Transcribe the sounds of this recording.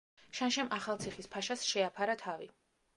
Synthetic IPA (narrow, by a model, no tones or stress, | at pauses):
ʃanʃɛmaχalˠt̪sʰiχispʰaʃasʃɛapʰaɾat̪ʰavi